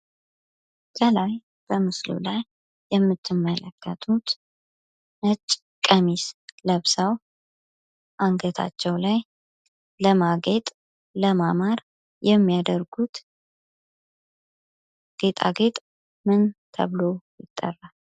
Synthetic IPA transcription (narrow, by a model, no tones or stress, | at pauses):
sʼəlaj | b̥əmɨslṵlajː | ɛmːɨt̪ʰːɨmːələkʰːət̪ʰut̪ | nət͡ʃʼː | kʼəmisləβsaw | ʔaŋɡət̪ʰa̰t͡ʃːɛwlaj | ləmaɡet̪ʼ | ləmamaɾ | jɛmːijad̪əɾɡut̪ | ɡ̥et̪ʼa̰ɡet̪ʼ | mɨnt̪ʰə̰βlo̞jɪt̪ʼːə̰rːal